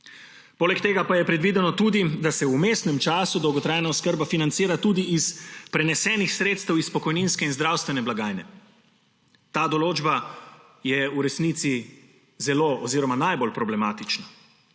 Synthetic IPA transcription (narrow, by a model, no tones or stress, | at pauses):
poːlɛkt̪eːɡapajɛpɾɛd̪ʋiːd̪ɛnɔt̪uːd̪id̪asɛumeːst̪nɛmt͡ʃaːsud̪ɔwɡɔt̪ɾaːjnaɔskəɾbafinant̪siːɾat̪uːd̪iispɾɛnɛsɛːnixsɾeːt̪st̪ɛwispɔkɔjninskɛinzd̪ɾaːwst̪ʋɛnɛblaɡaːjnɛ | t̪aːd̪ɔloːd͡ʒba | jɛuɾɛsniːt̪si | zɛloɔziːɾɔmanajbolpɾɔblɛmaːt̪it͡ʃna